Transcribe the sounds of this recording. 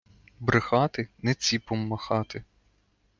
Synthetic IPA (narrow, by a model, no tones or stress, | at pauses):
bɾɪxɑt̪ɪnɛt͡sʲipɔmːɐxɑt̪ɪ